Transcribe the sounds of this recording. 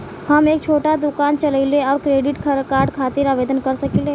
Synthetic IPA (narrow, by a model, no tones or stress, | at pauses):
həmeːkt͡ʃʰoːʈad̪ʊkaːnt͡ʃələɪleɔːɾkɾeːɖɪʈkʰəɾkaːɾɖkʰaːt̪ɪɾaːʋeːd̪ənkəɾsəkile